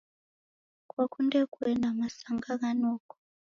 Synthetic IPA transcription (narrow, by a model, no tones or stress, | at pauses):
kwakʰundɛkwɛnʱamasaŋɡaɣanɔːkɔ̥